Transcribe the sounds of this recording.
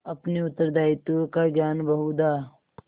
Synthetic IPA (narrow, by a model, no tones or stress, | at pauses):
ɐpneʊt̪ːəɾd̪aːɪt̪ukaɡjaːnbɐɦud̪a